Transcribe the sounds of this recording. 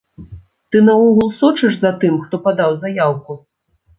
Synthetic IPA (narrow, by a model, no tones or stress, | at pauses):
t̪ɨnɐɔɣulˠsɔt͡ʂɨʂzɐt̪ɨmxt̪ɔpad̪awzajawku